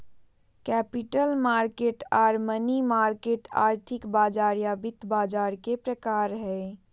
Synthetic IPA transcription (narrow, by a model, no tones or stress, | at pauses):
kɛːpɪʈəlmaːɾkeːʈaːɾmənimaːɾkeːʈa̰ːɾt̪ʰɪkbaːd͡ʒaːɾjaːbɪt̪baːd͡ʒaːɾkepɾəkaːɾɦɛ